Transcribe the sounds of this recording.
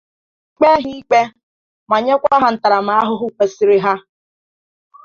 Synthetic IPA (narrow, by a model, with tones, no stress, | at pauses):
k͡pe˦ɦi˦i˦k͡pe˦ | ma˨ɲe˦kʷa˦a˦ɦa˨n̩˨ta˨ɾa˨ma˨a˦ɦʊ˦ɦʊ˦kʷe˨sɪ˦ɾɪ˦ɦa˦